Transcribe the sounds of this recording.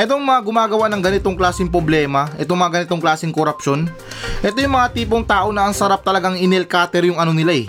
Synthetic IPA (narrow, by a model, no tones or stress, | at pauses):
ʔɛt̪̬o̞ŋmɐŋaɡʊmaːɡɐwaʔnɐŋɡɐnɪt̪o̞ŋklaːsɪŋpɾoblɛːmɐʔɛt̪oŋmɐŋaɡɐnɪt̪o̞ŋklaːsɪŋkoɾɐpʃo̞n | ʔɛt̪o̞jʊŋmɐŋat̪iːp̬o̞ŋt̪aːʔo̞nɐʔɐŋsɐɾap̚t̪ɐlɐɡaŋɪnɛlkaːt̪ɛɾjʊŋɐno̞nɪlaɛ